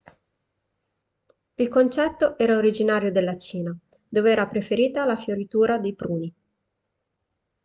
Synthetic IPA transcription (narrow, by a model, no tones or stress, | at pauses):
ilkont͡ʃɛt̪ːoʔɛːɾaoɾid͡ʒinaːɾjod̪elːat͡ʃiːna | d̪oːveɛːɾapɾefeɾiːt̪alafjoɾit̪uːɾad̪ejpɾuːni